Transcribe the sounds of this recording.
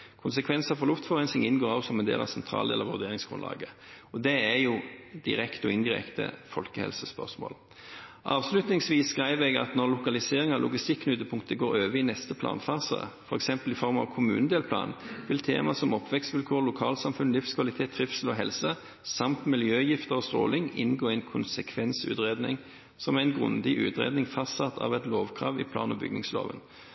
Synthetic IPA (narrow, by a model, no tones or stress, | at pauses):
kʰʊnsəkʰʋɛnsəfɔʁlʊft̪fɔʁɛnsɪŋɪnɡoːɾɑsɔmɛnd̪ḛːlɑ̰ʋsɛnt̪ʰɾɑ̰ːld̪ḛːləʁʋʉ̰ʁd̪eːɾɪŋsɡ̥ɾʉ̰nlɑ̰ːɡə | ɔd̪ɛæjʊd̪ɪ̰ɾɛkt̪əɔɪnd̪ɪʁɛ̰kt̪ə̰fɔlkəhɛ̰lsəspœ̰ʁsmo̰ːl | ʔɑːʋslʉt̪nɪŋsʋiːsːkʁæɪʋɛɡɑ̰t̪nɔʁlʊkɑlɪseːɾɪŋɑlʊ̰ɡɪst̪ɪkːnʉt̪ːəpʰʊŋkt̪əɡoːɾøːʋəɪnɛst̪əpʰlɑ̰ːnfɑːsə̰fɔʁɛksɛmpəlɪfɔʁmɑ̰ʋkʰʊmʉ̰ːnəd̪eːlpʰlɑ̰ːnʋɪlt̪ʰḛːmɑsɔmɔpːʋɛkst̪ʋɪlkʰoːʁlʊkʰɑːlsɑmfʉnlɪfskʰʋɑlɪt̪ʰeːt̪ʰːʁɪfsəlɔɦɛlsə | sɑmt̪mɪljøːjɪft̪əʁɔst̪ʁo̰ːlɪŋɪnɡoːæɪnkʰʊnsəkʰʋɛnsʉ̰ːt̪ʁeːd̪nɪ̰ŋ | sɔmæɪnɡʁʉ̰nd̪ɪʔʉ̰ːt̪ʁḛːd̪nɪŋfɑst̪sɑt̪ːʰɑ̰ʋɛt̪loːʋkʰʁɑːʋɪ̰pʰlɑ̰ːnɔbʏ̰ɡnɪŋslo̰ːʋə̰n